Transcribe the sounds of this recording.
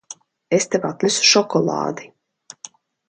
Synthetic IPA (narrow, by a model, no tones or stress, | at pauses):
est̪eva̰ːt̪lʲˠisu̥ʃɔkɔlˠɑ̰ːd̪i